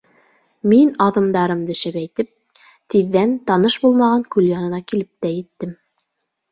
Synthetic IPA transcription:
minɑðɤ̆md̪ɑɾɤmd̪ɘ̆ʃæpæjt̪ɘp̚ | t̪iðːænt̪ɑnɤʃbulˠmɑʁɑŋkʉljɑnɤ̆nɑkilɘp̚t̪æjɘ̆t̪ːɘm

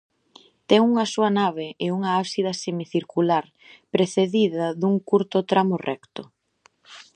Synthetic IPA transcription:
t̪ɛŋuŋɐsuɐnaβɪʔɪuŋɐasiðɐsemiθiɾkulaɾ | pɾeθeðiðɐðuŋkuɾt̪ʊt̪ɾamʊrɛkt̪ʊ

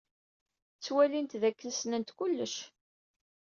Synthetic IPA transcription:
t͡sːwælint̪ðækːənsnənt̪kulːəʃ

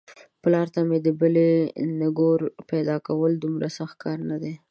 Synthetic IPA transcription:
plɑɾt̪amed̪əbəlenaɡoɾped̪ɑkawəld̪umɾasaxt̪̚kʰɑɾnad̪e

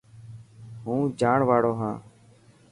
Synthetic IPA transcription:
ɦũːd͡ʒaːɳʋaːɽoːɦã̰ː

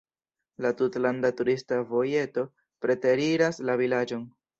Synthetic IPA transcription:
latutlandatuɾistavo̞je̞to̞ | pɾe̞te̞ɾiɾaslavilad͡ʒo̞n

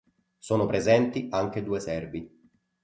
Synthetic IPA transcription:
soːnopɾezɛnt̪iaŋk̟ed̪uːesɛrbi

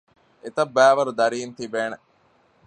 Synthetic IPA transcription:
et̪ɐbːæːʋɐɾud̪ɐɾiːnt̪ibeːne

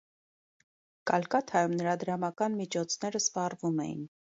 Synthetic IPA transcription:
kɑlkɑt̪ʰhɑjumnəɾɑd̪əɾɑmɑkɑnmit͡ʃʰɔt͡sʰn̪ɛɾəspɑrvumɛ̰jḭn

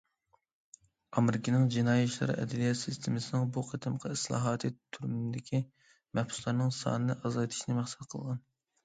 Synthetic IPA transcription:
ɑmɾɪkʲinɪŋd͡ʒinɑːjɛʃlˠɨ̰ɾɨ̰ʔɛ̰d̪ɪlijɑt̪sist̪ʰɪmɪsɪnɪŋbuqʰət̪ʰɨmqʰɑislˠɑ̰ːɦɑːt̪ʰɨt̪ʰyɾmɪnd̪ɪkʲʰi | mɛhpsu̥slˠɑɾnɨŋsɑ̰ːnɨnɨʔɑzɑjt̪ʰɨ̥ʃnɨmæχsɛ̥t̪qʰəlˠʁɑn

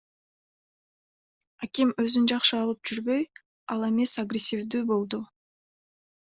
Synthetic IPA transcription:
akʲimø̞zynd͡ʒɑqʃɯɑlˠɯp̚d͡ʒyɾbø̞j | ɑlˠe̞me̞saɡɾʲesʲːivd̪yːbo̞lˠd̪u

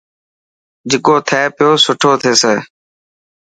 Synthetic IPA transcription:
d͡ʒɪkoːt̪ʰɛːpɪjoːsʊʈʰoːt̪ʰeːseː

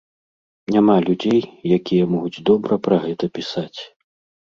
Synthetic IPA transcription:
nʲamalʲud͡zʲejjakʲijɛmɔɣud͡zʲd̪ɔbɾɐpɾɐɣɛt̪ɐpʲisat͡sʲ

